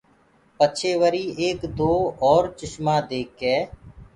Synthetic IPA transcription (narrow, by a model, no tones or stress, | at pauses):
pət͡ʃʰeːʋəɾiːeːkd̪oːɔːɾt͡ʃɪʃmãːd̪eːkɛː